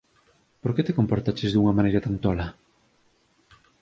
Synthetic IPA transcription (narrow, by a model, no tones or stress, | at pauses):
poɾket̪ekompoɾt̪at͡ʃezðuŋɐmanejɾat̪ant̪ɔlɐ